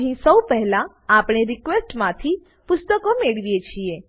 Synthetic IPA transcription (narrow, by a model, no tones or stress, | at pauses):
ɦĩsəwpɛɦɛlã | apɽ̃eɾɪkʋesʈmãt̪ʰi | pʊst̪əkomeɭʋijet͡ʃʰie